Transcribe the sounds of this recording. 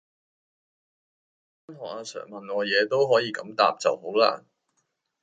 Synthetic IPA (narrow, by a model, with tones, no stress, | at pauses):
a˥nɦɔː˨˩k̚aː˧sœ̰ː˨˩ŋmɐ˨nŋɔː˨˧jɛː˨˧t̪o˥wɦɔː˨˥jiː˨˧kɐ˨˥mt̪a̰ː˨p̚t͡sɐ̰˨who˨˥wla̰ː˥